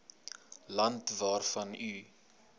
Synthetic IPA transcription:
lɐntvɑːrfɐny

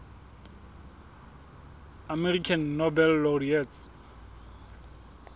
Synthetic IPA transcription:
amɛrikʰanːobɛlːɔriɛtʰ

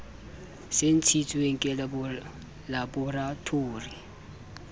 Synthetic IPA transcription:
sentʰitʰuɛŋ̩kʼɛl | labɔratʰoːri

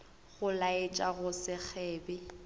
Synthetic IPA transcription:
ɣʊlaɪt͡ʃʼaɣʊsɪk͡xʰɛːbɪ

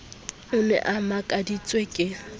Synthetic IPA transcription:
ʊnɛ̰ʔamakʼadit͡sʼwekʼɪ

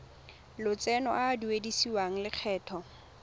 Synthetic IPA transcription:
lʊt͡sɛnɔ̰ʔaduwedisiwaŋ̩lɪq͡χʰɛːtʰɔ

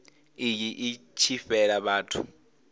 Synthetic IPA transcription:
ijiʔit͡ʃʰifɛlaɓaːtʰṵ

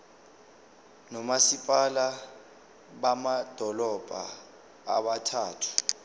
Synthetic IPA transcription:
nɔmasipʼala | ɓamad̥ʱɔlɔb̥ʱa̰ | a̰ɓatʰaːtʰu̥

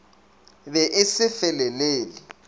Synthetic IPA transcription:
bɛʔɪsɪfɛlɛleːlɪ

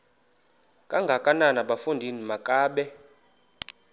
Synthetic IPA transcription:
kʼaŋɡʱakʼananaɓafundʱinimakʼaːɓɛ

